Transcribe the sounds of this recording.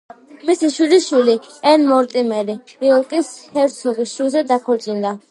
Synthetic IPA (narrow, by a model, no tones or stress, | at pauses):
misiʃwiliʃwiliɛnmɔɾt̪ʼimɛɾiɾiɔlˠkʼinshɛɾt̪sʰɔɡisʃuzɛd̪akʰɔɾt̪sʼind̪a